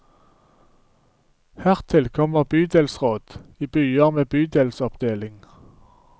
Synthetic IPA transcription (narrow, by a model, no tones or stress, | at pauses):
hæʁt̪ʰɪlkʰɔməʁbyːd̪eːlsʁoːd̪̥iːbyːəmeːbyːd̪eːlsɔpd̪̥eːlɪŋ